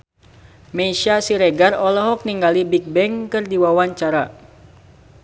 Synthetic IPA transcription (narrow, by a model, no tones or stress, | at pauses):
mɛʃasiɾɛɡarɔlɔɦɔk̚niŋɡalibik̚bɛŋkɨrdiwawaɲt͡ʃaɾa